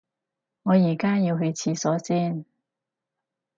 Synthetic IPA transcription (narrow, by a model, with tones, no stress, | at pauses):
ŋɔː˨˧jiː˨˩kaː˥jiː˧wɦɵ˧ɥt͡sʰiː˨˧˥sɔː˨˥siː˥˩n